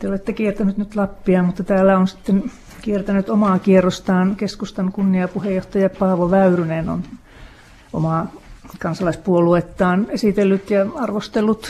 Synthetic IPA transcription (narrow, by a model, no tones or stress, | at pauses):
t̪eolet̪ːekiert̪ænyt̪nyt̪lɑpːiɑmut̪ːɑt̪æːlːæonsi̥t̪ːen | kiert̪ænyt̪omɑːkierːost̪ɑːnkeskust̪ɑnkunːiɑpuhejoht̪ɑjɑpɑːʋoʋæyryneno̰n | o̰mɑˑkɑnsɑlɑispuoluet̪ːɑːnesit̪elːyt̪jɑɑrʋost̪elːut̪